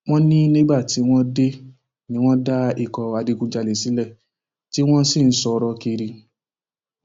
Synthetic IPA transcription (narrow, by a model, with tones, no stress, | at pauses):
w̃ɔ̃˦nĩ˦nĩ˦ɡ͡ba˦˨ti˨˦w̃ɔ̃˦de˦ | nĩ˧˦w̃ɔ̃˦da˦i˦˨kɔ˨a˧di˧kũ˧d͡ʒa˧le˨si˨˦lɛ˦˨ | ti˦w̃ɔ̃˦si˦˨n̩˦sɔ˧ɾɔ˧ki˧ɾi˧